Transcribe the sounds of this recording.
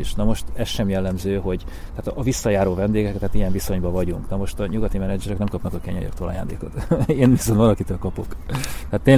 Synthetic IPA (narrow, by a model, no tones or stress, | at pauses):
iʃnɒmo̞ʃt̪ɛsʃɛmjɛlːɛmzøːɦo̞ɟ | t̪ɛːt̪ːvisːɒjaːɾoːvɛnd̪eːɡɛkɛt̪ɛaːt̪ijɛɱviso̞ɲbɒvɒɟuŋknɒmo̞ʃt̪ɒɲuɡɒt̪imɛnɛd͡ʒɛɾɛknɛmkɒpnɒkɒkɛɲɛjø̰kt̪oːlɒjaːnd̪ḛːko̞̰t̪eːnviso̞nt̪vɒlɒkit̪øːlkɒpo̞kt̪ɛːt̪ːeːɲ